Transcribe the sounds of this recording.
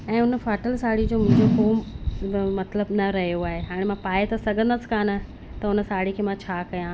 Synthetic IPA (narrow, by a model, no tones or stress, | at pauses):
ɛ̃ːʊnə̆faːʈəlsaːɽ̤id͡ʑoːmʊ̃ɦɪ̃d͡ʑoɦoːm | mɐt̪ləbnɐɾɐɦijoaːɦeɦaːɽ̃mãpaːet̪ɐsɐɡʱə̃nd̪əskaːnə | t̪ɐʊnə̆saːɽ̤ikʰeːmãt͡ɕʰaːkɐjã